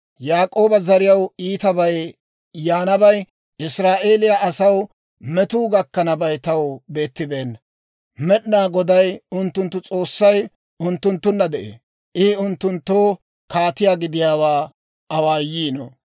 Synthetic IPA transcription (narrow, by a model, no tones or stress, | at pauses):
jaːkʼo̞ːbɐzɐɾɪjɐwiːt̪ɐbɐj | jaːnɐbɐj | ʔɪsɾaːʔe̞ːlɪjɐʔɐsɐw | mɛt̪uːɡɐkːɐnɐbɐjt̪ɐwbe̞ːt̪ːɪbe̞ːn | mɛɗnaːɡɔd̪ɐjʊnt̪ːʊnt̪ːʊt͡sʼo̞ːsːɐj | ʊnt̪ːʊnt̪ːʊnːɐd̪ɛʔḛː | ʔɪʊnt̪ːʊnt̪ːoː | kaːt̪ɪjaːɡɪd̪ɪjaːwaː | ɐwaːjiːno̰